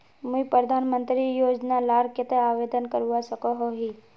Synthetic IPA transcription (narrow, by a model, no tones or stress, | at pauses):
mʊipɾəd̪ʱaːnmə̃nt̪ɾijoːd͡ʒnalaːɾkɪt̪eaːʋeːd̪ənkəɾuasəkoɦoɦiː